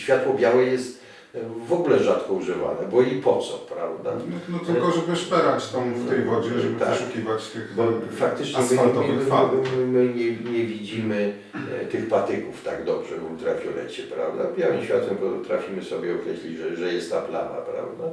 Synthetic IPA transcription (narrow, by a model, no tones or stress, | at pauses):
ɕfʲjat̪wɔbʲjawɛjɛst̪ | vɔɡulɛʐat̪kɔuʐɘva̰nɛ̰bɔipɔt̪sɔpɾa̰vd̪annɔt̪ɪlkɔʒɛbɨspɛɾat͡ɕt̪ɔ̃w̃ft̪ɛjvɔd͡ʑɛʒɛbp̪aʂukʲivat͡ɕt̪ɪxbɔfak̚t̪ɘt͡ʂɲɛm | mmɘɲɛɲɛvʲid͡ʑimɘ | t̪ɘxpat̪ɘkuft̪aɡd̪ɔbʐɛbɔt̪ɾafʲjɔlɛ̰t͡ɕɛpɾa̰vd̪abʲjawɘmɕfʲjat̪wɛmpɔt̪ɾafʲimɘsɔbʲjɛɔkɾɛɕlʲid͡ʑʐɛʐɛjɛst̪ːapla̰na̰pɾa̰vd̪a